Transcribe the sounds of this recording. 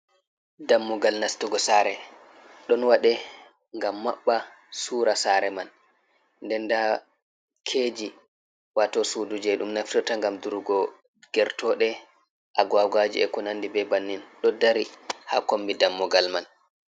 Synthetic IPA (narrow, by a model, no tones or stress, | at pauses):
damːuɡalnastuɡɔsaɾɛ | ɗɔnwaɗɛ | ŋɡamːaɓːa | suːɾasaɾɛman | ndɛnda | kʰeːd͡ʒi | watɔsudud͡ʒɛɗumnaftutaŋɡamduɾɡɔ | ɡ̥ɛɾtɔɗɛ | ʔaɡaɡad͡ʒḭɛkɔnandibɛbanːinɗɔdaɾiha̰kombidamːuɡalman